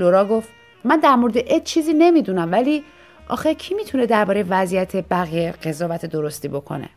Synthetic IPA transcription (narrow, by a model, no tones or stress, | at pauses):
loɾɒːɡoft̪ | mænd̪æɾmoɾed̪eʔet̪̚t͡ʃʰiːziːne̞miːd̪unæmvæliː | ʔɒ̰ːxecʰiːmiːt̪ʰune̞d̪æɾbɒːɾejevæzijæt̪ʰe̞bæɣijeɢe̞zɒːvæt̪ʰed̪oɾo̞st̪iːbo̞kʰo̰ne̞̰